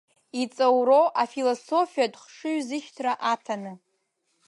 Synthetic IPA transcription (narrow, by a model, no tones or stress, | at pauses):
it͡sʼawɾoʔafiloso̞fijadχʂɨɥzɨʃtʰraʔatʰanɨ